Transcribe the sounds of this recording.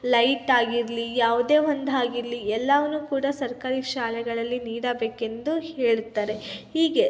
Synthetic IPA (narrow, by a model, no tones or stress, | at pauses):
lɐjʈaːɡiɾlijaːʋud̪eːʋond̪ʱaːɡiɾliɛlːɐʋɐnuːkuːɽasɐɾkaːɾiʃaːlɛɡɐɭɐlːiniːɽɐbeːke̞nd̪uheːɭut̪ːaːɾe̞hiːɡe̞